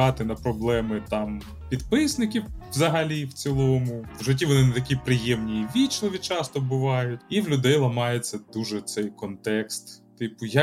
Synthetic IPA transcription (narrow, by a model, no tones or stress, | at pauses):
ɑt̪ɪnɐpɾɔblˠɛmɪt̪ɑm | pʲid̪pɪsnɪkʲiʋzɐɦɐlʲiwt͡sʲilˠɔmʊʋʒɔt̬ʲiʋɔnɪnɛt̪ɐkʲipɾɪjɛmnʲijiʋʲit͡ʃlˠɔʋʲit͡ʃɑst̪ɔbʊʋɑjʊtʲiwlʲʊd̪ɛjlˠɐmɑjet͡sʲːɐd̪̥uʒɛt̪sɛjkɔnt̪ɛkst̪ːɪpʊjɐ